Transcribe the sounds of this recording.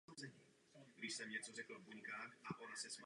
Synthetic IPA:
ɔzɛ | ɾiʃsaɲɪɛt͡sɔzɛklɔvbuɲkaːxaʔɔɾasɛsm

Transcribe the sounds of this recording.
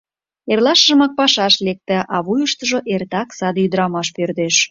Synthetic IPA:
erlɑʃʒəmɑk̚pɑʃɑʃlek̚t̪ə̆ʔɑβujəʃt̪əʒoʔert̪ɑksɑd̪yd̪əɾɑmɑʃpørd̪eʃ

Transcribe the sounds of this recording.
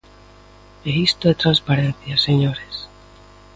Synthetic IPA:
eɣist̪oðet̪ɾanspaɾen̟θjaseɲoɾes

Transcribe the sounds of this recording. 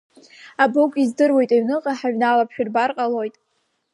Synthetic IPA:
abokʷʼizdɨrwe̞jtʼeɥnɨqʼaħaɥnalapʰʃᶣʏrbarqʼalojtʼ

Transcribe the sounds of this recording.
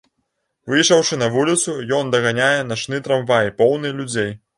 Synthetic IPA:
vɨjʂɐwʂɨnɐvulʲit̪sujɔnd̪ɐɣanʲajɛnat͡ʂnɨt̪ɾamvajpɔwnɨjlʲud͡zʲej

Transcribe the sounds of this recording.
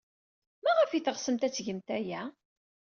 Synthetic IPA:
mæʁəfiθʁsəmt̪æt͡sːʝəmt̪æjæ

